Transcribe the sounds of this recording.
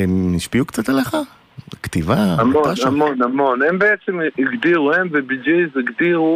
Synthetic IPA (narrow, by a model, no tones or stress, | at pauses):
emniʃpiukt͡sat̪ale̞χa | kt̪ivaamoaamonamo̞nembeet͡semiɡdiʁuhemvebid͡ʒiziɡd̪iʁu